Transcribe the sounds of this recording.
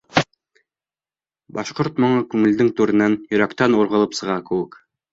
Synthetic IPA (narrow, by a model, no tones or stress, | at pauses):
bɑʃqoɾt̪mŏɴɑkʉŋɘ̆ld̪ɘŋt̪ʉɾɘ̆nænjɵ̆ɾækt̪ænŭɾʁɤ̆lˠɤpsɤ̆ʁɑkɘ̆wɘk